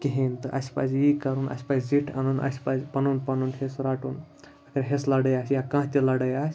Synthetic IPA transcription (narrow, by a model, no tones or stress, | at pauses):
kʲeɦent̪ɨʔɐsʲpa̰sjikɐɾunʔɐ̰sʲpasʲd͡ziʈʰɐ̰nunʔɐ̰sʲpad͡zʲpɐnunpɐnunɦesɾaːʈuːn | ɐkɐɾʲɦeslɐɽɐjaːsjakãːt̪ʲilɐɽɐjaːsʲ